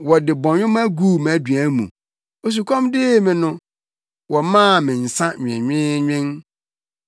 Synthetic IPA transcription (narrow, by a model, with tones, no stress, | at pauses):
wɔ˨dɪ˨bɔ̃˨ɲᶣʊ̃˦mæ˦ɡu˦˨mæ˨dɥæ˦mṵ̃˨ | o˨s̬u˨kʰɔ̃˦mdɪ˦mɪ̃˨nʊ̃˦ | wɔ˨mãː˦˨mɪ̃˨n̩˨sã˦ɲᶣ˨ɪ̰̃˨ɲᶣɪ̃˦ɲᶣɪ̃˦n